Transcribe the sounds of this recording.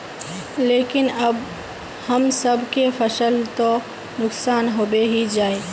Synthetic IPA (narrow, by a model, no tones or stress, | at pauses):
leːkɪnəb | həmsəbʱkepʰəsəlt̪o | nʊksaːnɦoːbeɦid͡ʒaːe